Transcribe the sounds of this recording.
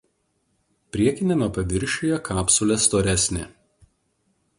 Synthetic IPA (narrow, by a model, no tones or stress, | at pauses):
pʲɾʲiɛkʲɪnʲɛnuːpɐʋʲɪɾʲʃʲojɛkʰɑːpsʊlʲɛst̪oːɾʲæsʲnʲɪ̰